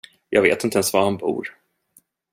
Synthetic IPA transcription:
jʔɑːɡveːt̪ɪnt̪əɛnsvahanbṵːɾ

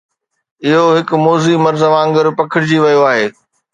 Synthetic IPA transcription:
ɪɦoɦɪkmoːzimɐɾzʋãːŋɡəɾpɐkʰɪɽɪd͡ʑiʋɐjoaːɦeː

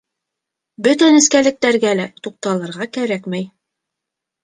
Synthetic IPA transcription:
bɵt̪ænɘ̆skælɘ̆k̚t̪æɾɡælæt̪uq̚t̪ɑlˠɤ̆ɾʁɑkæɾækmæj

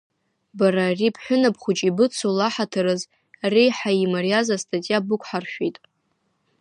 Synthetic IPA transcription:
baɾaːripʰħʷʊnapʰχʷʊt͡ʃʼibɨt͡sʰolaħatʰaɾɨz | rijħaimarjazastʰʼatʼijabʊkʷʰʼħarʃᶣejtʼ

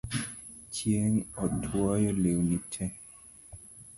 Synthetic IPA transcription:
t͡ʃjeŋɔtʰwɔjɔlewnitʰɛ

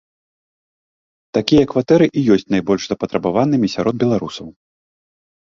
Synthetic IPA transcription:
t̪akʲijɐkvat̪ɛɾɨʔijɔsʲt͡sʲnajbɔlʲʂzɐpɐt̪ɾɐbavanɨmʲisʲaɾɔd̪̚bʲɛlˠaɾusɐw

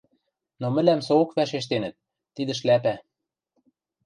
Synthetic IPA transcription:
nomɘ̆læmsookβæʃeʃ̬t̪enə̆t̪̚ː | id̪ə̆ʃ̬læpæ

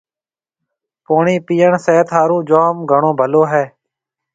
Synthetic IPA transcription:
poːɳiːpiːəɳseːt̪ʰɦaːɾũːd͡ʒoːmɡʱəɳõːbʱəloːɦɛː

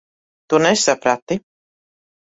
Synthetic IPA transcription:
t̪unɛsapɾat̪ːi

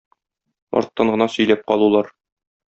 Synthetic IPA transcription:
ɒ̰ɾt̪ːɑɴɢɤ̆nɑsɵ̆jlæp̚qɒlˠulˠɑɾ

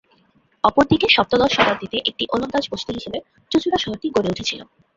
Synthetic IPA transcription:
ɔpoɾd̪ʱikeʃɔp̚t̪od̪ɔʃɔb̪at̪it̪eʔek̚ʈiʔolond̪ad͡ʑboʃt̪iɦiʃebe | t͡ɕut͡ɕuɾaʃɔɦoʈiɡoɾeuʈʰet͡ɕʰilo̰

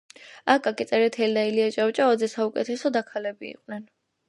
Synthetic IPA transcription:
akʼakʼit̪sʼɛɾɛt̪ʰɛld̪ailiat͡ʃʼawt͡ʃʼaɔd̪zɛsaukʼɛt̪ʰɛsɔd̪akʰalɛbḭḭqʼnɛn

